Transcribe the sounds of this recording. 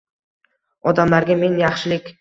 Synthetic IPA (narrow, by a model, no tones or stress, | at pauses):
ɒd̪amlaɾɡʲame̞ŋjɑχʃɪlɪkʲ